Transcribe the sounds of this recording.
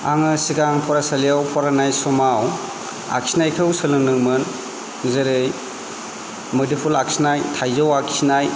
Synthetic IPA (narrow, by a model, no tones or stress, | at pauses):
aŋɯsiɡaŋpʰɔɾasalijawpʰɔɾanajsɔmaw | a̰ksinajkʰɯwsɯlɯŋnɯŋmɯn | zeɾɯj | mɔdipʰulak̚sinajtʰajzɯwakʰsʰinaj